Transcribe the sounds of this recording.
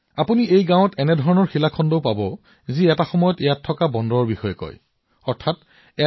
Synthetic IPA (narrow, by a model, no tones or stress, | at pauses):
apuniejɡãw̃ɔtɛnɛdʱɔɹɔnɔɹxilakʰɔndowpabɔ | ziɛtaxɔmɔjɔtejatʰːɔkabɔndɔɹɔɹbixɔjɔkɔ̰j | ɔɹtʰat | ɛ